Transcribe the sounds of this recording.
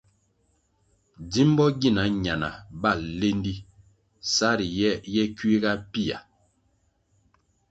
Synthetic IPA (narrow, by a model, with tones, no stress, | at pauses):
di˦m˦bɔ˦ɡi˦˨na˨˦ɲa˨na˨ba˦˨le˦n˦di˦ | sa˦ɾi˨jɛ˦jɛ˦kɥi˦ɡa˦pi˦˨a̰˨